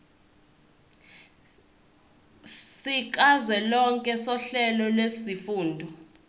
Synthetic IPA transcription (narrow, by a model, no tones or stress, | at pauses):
sik̬ʼazwɛlɔŋkʼɛsɔɬɛlɔlwesifuːndʱɔ